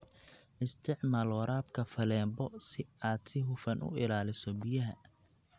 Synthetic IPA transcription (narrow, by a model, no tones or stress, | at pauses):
ʔɪst̪ʰɪʕmaːlwɐɾaːbkʰɐfɐlɛːmbɔsɪaːd̪sɪɦʊfɐnʔʊ̰ɪlaːlɪsɔbɪjɐɦɐ